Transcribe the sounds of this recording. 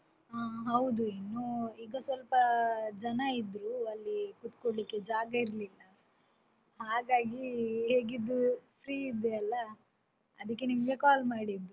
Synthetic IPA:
aːɦɐwd̪uinːuiːɡɐsʋɐlpɐd͡ʒɐnɐid̪ɾuɐlːikut̪koɽlikːe̞d͡ʒaːɡɐiɾlilːɐ | ɦaːɡaːɡiɦe̞ːɡid̪ːupɾiːid̪ːeɐlːɐ | ɐd̪ɐk̬ːe̞nimɐɡe̞kaːlmaːɽid̪ːu

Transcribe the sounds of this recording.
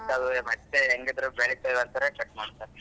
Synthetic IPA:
ɐd̪umɐeeŋɡid̪ɾubeɭit̪ɐʋɐnt̪aːɾekɐʈːmaːɽt̪ːaːɾe

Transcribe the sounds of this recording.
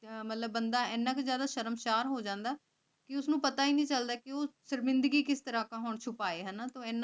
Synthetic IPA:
mət̪ləbːənd̪aːɛːnːãːkzjaːd̪aːʃəɾəmʃaːɾɦoːd͡ʒãːnd̪aː | kɪʊsnũːpət̪aːiːnĩːt͡ʃəld̪aːkɪoːsəɾmɪ̃nd̪əɡiːkɪst̪əɾaːkãːɦoːɳt͡ʃʰʊpaːeːɦənaːt̪õːɛːnː

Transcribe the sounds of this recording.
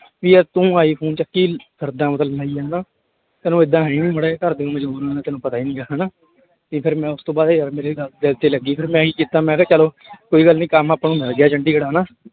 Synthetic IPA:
ʋiːɛːt̪ũːaːiːpʰuːnt͡ʃəkːiːsʰəɾd̪ãːmət̪əlnaːiːɛːnaː | t̪ɛːnũːɪd̪ːãːɦiːnĩːməɽeːkəɾd̪eːũːməd͡ʒbuːɾãːnãːt̪ɛːnũːpət̪aːiːnĩːkəɦanaː | t̪ipʰɪɾmɛ̃ːʊst̪õːbaːd̪iːəɾmeːɾeːɡd̪əlt̪eːləɡiːpʰɪɾmɛ̃ːɦiːkiːt̪ːãːmɛ̃ːkːt͡ʃəloː | koːiːɡəlnĩːkəmaːpnũːmɪlɡɪjaːt͡ʃəɳɖiːɡəɽaːnaː

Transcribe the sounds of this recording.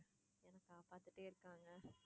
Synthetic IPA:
ɛnɐkːaːpaːt̪ːɯʈːeːɪɾɯkːaːŋɡɐ

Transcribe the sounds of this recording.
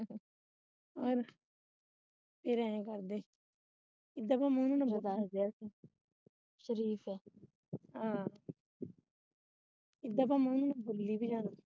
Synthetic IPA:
ɔːɾ | pʰeɾɛ̃ẽːkəɾd̪eː | ɪd̪ːaːpaːmɛ̃ːnũːnabəd̪aːɾd̪eːasi | ʃəɾiːfɛː | ɦãː | ɪd̪aːpaːmɛ̃ːnũːnabʊlːiːbʱiːd͡ʒãːna

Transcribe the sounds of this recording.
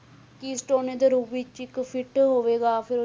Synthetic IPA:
kiːsʈoːneːd̪eɾuːbiːt͡ʃɪkpʰɪʈɦoːʋeːɡaːpʰɪɾ

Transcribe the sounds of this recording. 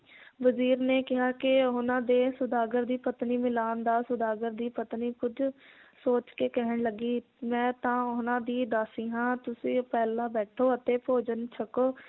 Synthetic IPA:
ʋəziːɾneːkɪɦaːkɪʊnãːd̪eːsʊd̪aːɡəɾd̪iːpət̪niːmɪlaːnd̪aːsʊd̪aːɡəɾd̪iːpət̪niːkʊd͡ʒsoːt͡ʃkeːkɛɦəɳləɡiː | mɛ̃ːt̪ãːʊnãːd̪iːd̪aːsĩːɦãːt̪ʊsĩːpɛːlãːbɛːʈʰoːət̪eːpʰoːd͡ʒənt͡ʃʰəkoː

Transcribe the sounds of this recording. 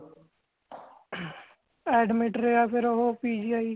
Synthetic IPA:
ɛːɖmɪʈɾeapʰɪɾɦopiːd͡ʒiaːiː

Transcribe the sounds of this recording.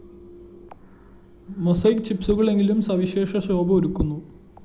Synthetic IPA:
mosɐjkt͡ɕipsuɣɐɭe̞ŋɡilumsɐʋiɕe̞ːʂɐɕo̞ːbɐoɾukːunːu

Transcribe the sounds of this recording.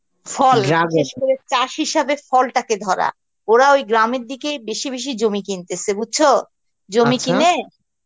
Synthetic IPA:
fɔlaɡʃeʃkoɾet͡ɕaʃɦiʃabefɔlʈaked̪ʱɔɾa̰ | oɾaojɡɾameɾd̪ikebeʃibeʃ̬id͡ʑomikint̪esʰebud̚t͡ɕʰo | d͡ʑomikine

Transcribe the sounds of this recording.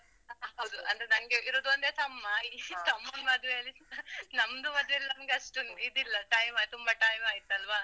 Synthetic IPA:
ɦɐwd̪uɐ̰nd̪ɾenɐŋɡeʔiɾoːd̪ond̪et̪ɐmːait̪ɐmːɐnmɐd̪uʋeɐlːinɐmd̪umɐd̪ʋeɐlːɐnɐmɡeɐʂʈunid̪ilːɐʈɐjmaːt̪umbɐʈaːjmaːjit̪ɐlʋaː

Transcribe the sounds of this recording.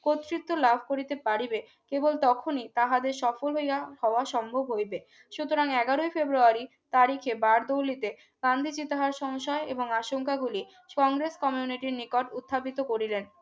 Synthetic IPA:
kot̪ːɾit̪ːolabʱkoɾit̪epaɾibe | kebolt̪ɔkʰonit̪aɦad̪eɾʃɔfolɦojahɔoaʃɔmbʱobɦojbe | ʃut̪oɾaŋɛɡaɾoifebɾuaɾi | t̪aɾikʰebaɾd̪olit̪e | ɡ̥and̪ʱit͡ɕit̪aɦaɾʃɔŋʃɔeeboŋaʃoŋkaɡuli | kɔŋɡɾeskɔmiuniʈiɾnikoʈut̪ʰːapit̪okoɾilen

